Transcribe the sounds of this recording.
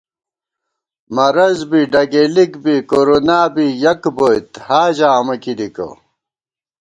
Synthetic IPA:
mɐɾɐzbiɖɐɡelikbikoɾonaːbijɐkbojt̪haːʑaːmɐkid̪ikɐ̰

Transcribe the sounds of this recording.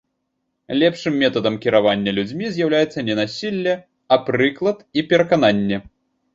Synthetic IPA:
lʲɛpʂɨmːʲɛt̪ɐd̪ɐmkʲiɾavanʲːɐlʲud͡zʲmʲizʲjawlʲajɛt̪sːɐnʲɛnasʲilʲːɛ | ɐpɾɨklˠɐt̪ipʲɛɾɐkan̪anʲːɛ

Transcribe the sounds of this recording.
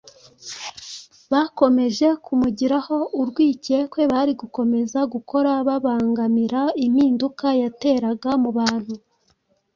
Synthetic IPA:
βako̞me̞ʒe̞kʰumuɟiɾaho̞ʔuɾɡwiːce̞kwe̞βaɾiɡuko̞me̞zaɡuko̞ɾaβaβaːŋɡamiɾaim̥iːndukajate̞ːɾaɡamuβaːn̥hu

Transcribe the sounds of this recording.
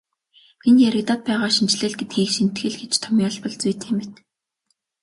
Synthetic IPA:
enjæɾɪ̆t̪aːt̪̚pæːʁaːʃint͡ɕɮeːɮɡet̪xiːxʃin̥t̪xɘ̆ɮɡet͡ɕt̪ʰɔmʲiːɔɮpɞ̆ɮt͡sujt̪xemɘ̆t̪

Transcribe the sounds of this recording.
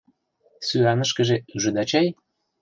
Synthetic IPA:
syɑnə̆ʃkə̆ʒeyʒə̆d̪ɑt͡ɕɑj

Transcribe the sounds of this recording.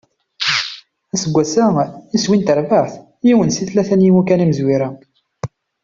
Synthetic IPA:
æsəɡʷːæsæiswint̪əɾvəɾθ | jiwənsiθlæθænjimukæniməzwiɾa

